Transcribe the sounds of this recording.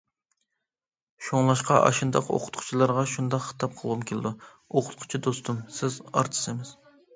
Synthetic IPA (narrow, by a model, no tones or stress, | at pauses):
ʃoŋlˠɑʃqɑʔɑ̰ʃɨnd̪ɑqo̰qʰʊ̥t̪qʰʊ̥t͡ʃʰilˠɑɾʁɑʃund̪ɑqχə̥t̪ʰɑp̚qʰəlˠʁumkʲʰelɪd̪u | oqʰʊ̥t̪qʰʊ̥t͡ʃʰid̪ost̪umsɪzɑ̰ɾt̪ʰɨ̥sɨmɪz̥